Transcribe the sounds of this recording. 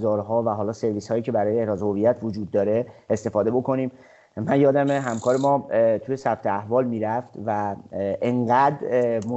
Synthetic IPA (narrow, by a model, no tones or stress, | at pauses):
zɒːɾɦɒːvæɦɒːlɒːse̞ɾviːshɒːjiːcʰe̞bæɾɒːjeehɾɒːzhovijæt̪ʰvod͡ʒuːd̪̚ːɒːɾe̞est̪e̞fɒːd̪e̞bo̞kʰo̞niːm | mænjɒːd̪æmeɦæmkʰɒːɾemɒːt̪ʰuje̞sæb̚t̪ʰeæhvɒːlmiːɾæft̪væʔeŋɢæd̪ɾmo